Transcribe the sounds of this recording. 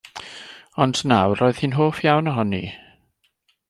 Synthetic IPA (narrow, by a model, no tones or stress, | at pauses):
ɔndnawrɔːɨð̥hiːnɦoːfjawnɔɦɔnḭ